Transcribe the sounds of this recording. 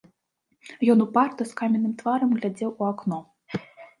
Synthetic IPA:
jɔnupart̪ɔskamʲɛnɨmt̪vaɾɐmɣlʲad͡zʲɛwuaknɔ

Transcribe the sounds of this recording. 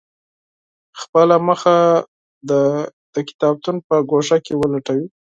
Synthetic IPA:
xpəlaməxa | d̪əd̪̥əkɪ̥t̪ɑb̚t̪unpəɡoʂakewəlaʈawi

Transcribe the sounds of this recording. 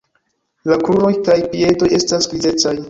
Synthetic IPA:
lakɾuno̞jkajpie̞do̞je̞stasɡɾize̞t͡saj

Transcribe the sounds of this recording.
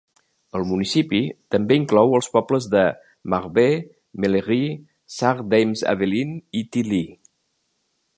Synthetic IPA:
əlˠmunisipit̪əmbeiŋklɔwəlˠspɔbləzðə | maɾβe | meleɣi | saɾd̪ejmzə̰βelinit̪ili

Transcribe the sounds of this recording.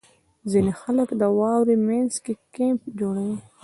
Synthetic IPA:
zinexaləkd̪əwɑwɾimanzkekempd͡ʒoɽawi

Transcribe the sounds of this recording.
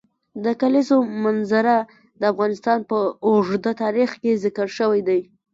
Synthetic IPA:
d̪əkalisomanzaɾa | d̪əafɣɑnɪst̪ɑnpəoʐd̪at̪ɑɾixkezɪkəɽʃəwajd̪aj

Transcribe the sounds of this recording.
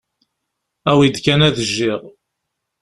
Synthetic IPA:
æwid̪kænæðəʒːiʁ

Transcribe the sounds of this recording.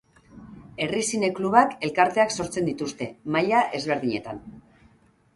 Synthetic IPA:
e̞risine̞kluβake̞lkaɾt̪e̞akso̞ɾt͡send̪it̪ust̪e̞maʎaʔe̞zβ̞e̞ɾðiɲe̞̰t̪an

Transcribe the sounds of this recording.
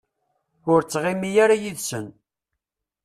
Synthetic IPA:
ʊɾt͡sːʁimijaɾajiðsən

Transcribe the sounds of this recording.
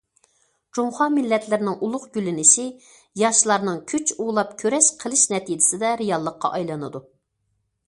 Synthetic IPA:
d͡ʒumχɑːmɪlːɛt̪lɪɾnɪŋʔulˠʊqɡʲylɪnɪʃi | jɑʃlˠɑɾnɨŋkʲʰyt͡ʃulˠɑp̚kʲʰøɾɛʃqʰəlˠɨʃnɛt̪id͡ʒɪsɪd̪ɛɾijɑlˠːəqːɑ̰ʔɑjlˠɑnɨd̪u

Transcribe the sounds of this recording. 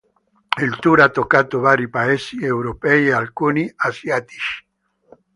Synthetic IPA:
ilt̪uɾat̪ːokːat̪ovaːɾipaɛsiewɾopɛjealkuːniasjat̪i̥t͡ʃi̥

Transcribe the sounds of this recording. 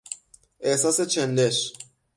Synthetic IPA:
ʔehsɑːset͡ʃʰenleʃ

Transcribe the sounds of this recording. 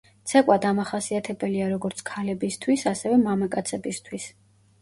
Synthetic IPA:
t̪sʰɛkʼwad̪amaχasiat̪ʰɛbɛliaɾɔɡɔɾt̪sʰkʰalɛbist̪ʰwisasɛvɛmamakʼat̪sʰɛbist̪ʰwis

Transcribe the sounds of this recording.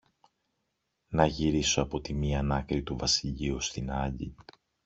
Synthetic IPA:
nɐʝiɾiso̞ɐpo̞t̪imiɐnɐkɾit̪uvɐsiʎiust̪inɐʎḭ

